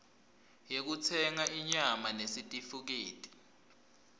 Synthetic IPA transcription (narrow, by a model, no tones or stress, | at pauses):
jek̬ut͡sʰɛŋaiɲamanesitʼifuk̬eːtʼi̥